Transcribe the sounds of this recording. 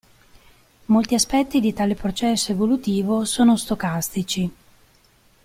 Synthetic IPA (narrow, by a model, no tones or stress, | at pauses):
molt̪iaspɛt̪ːid̪it̪aːlepɾot͡ʃɛsːoevolut̪iːvosoːnost̪okast̪it͡ʃi